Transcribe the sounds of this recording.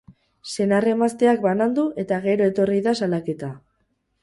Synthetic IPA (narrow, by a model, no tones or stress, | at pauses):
se̞nare̞mast̪e̞ak̚banand̪uʔe̞t̪aɣ̞e̞ɾo̞e̞t̪o̞riðasalake̞t̪a